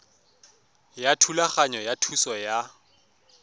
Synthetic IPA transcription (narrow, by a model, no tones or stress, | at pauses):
jatʰulaχaɲɔjatʰusɔja